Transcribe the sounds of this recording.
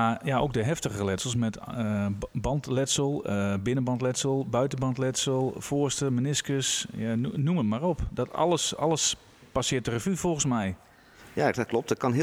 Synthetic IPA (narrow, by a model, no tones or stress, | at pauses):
ajao̰k̚dəɦɛftəɣəlɛtsəlˠs̬mɛt | bɑntlɛtsəlˠbɪnənbɑntlɛtsəlˠbœɥtənbɑntlɛtsəlˠfoəstəmənɪskəsjanumətmarɔpdɔtɑ̰ləsɑ̰ləs | pasɪətdərəvyfɔlˠɣən̩smɛj | jaklɔp̚tət̚kɑnɦɪ